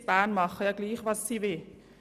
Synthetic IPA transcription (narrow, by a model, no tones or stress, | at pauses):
b̥aːnmɑχəjɑːɡ̥liːχʋɑsːivɪ